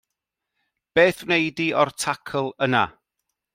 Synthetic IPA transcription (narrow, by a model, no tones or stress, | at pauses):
b̥eːθwnejdiʔɔrtʰakʰəlˠəna̰